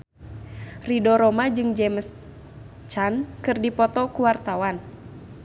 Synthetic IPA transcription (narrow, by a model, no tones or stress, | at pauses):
ridɔɾɔmad͡ʒɨŋd͡ʒɛməs | t͡ʃankɨrdipɔt̪ɔkuwart̪awan